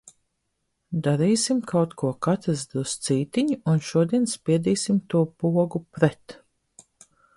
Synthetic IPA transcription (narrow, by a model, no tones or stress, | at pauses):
d̪aɾiːsimkʰawt̪kʰuɔkat̪ɾɨzd̪ust̪siːt̪iɲuunʃuɔd̪iɛnspʲiɛd̪iːsimt̪uɔpuɔɡupɾɛt̪